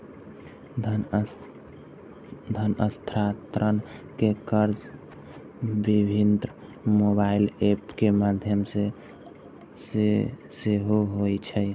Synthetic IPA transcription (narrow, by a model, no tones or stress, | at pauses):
d̪ʱənəst̪ʰɾat̪ɾənkekəɾd͡ʒ | bibʱind̪ɾə | mobailepkemad̪ʱjəmse | seseɦoɦojt͡ʃʰɛj